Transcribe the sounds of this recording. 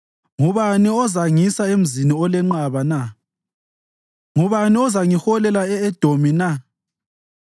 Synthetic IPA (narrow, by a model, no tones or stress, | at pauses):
ŋuβaniɔzaŋisaem̩ziniɔlɛŋ͡ǃaβana | ŋuβaniɔzaŋixɔlɛlaɛɛd̥ʱomina